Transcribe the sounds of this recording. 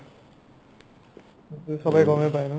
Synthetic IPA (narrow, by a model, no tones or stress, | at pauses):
t̪usʌbʌjɡʌmepajnu